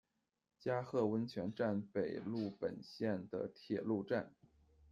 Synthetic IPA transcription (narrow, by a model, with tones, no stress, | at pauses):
t͡ɕja˥xɤ˥˩wə˧˥nt͡ɕʰɥɛ˧˥nʈ͡ʂa˥˩npe˨˩ɪlu˥˩pə˨˩nɕjɛ˥˧nd̪ə̰˩t̪ʰjɛ˨˩lu˥˧ʈ͡ʂa˥˩n